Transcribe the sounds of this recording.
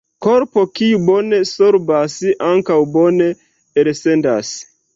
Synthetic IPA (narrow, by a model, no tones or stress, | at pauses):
koɾpo̞kiubo̞nesoɾbasiʔaŋkawbo̞ne̞ | else̞ndas